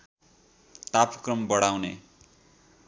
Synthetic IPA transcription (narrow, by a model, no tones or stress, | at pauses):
t̪apkrʌmbʌɽawnḛ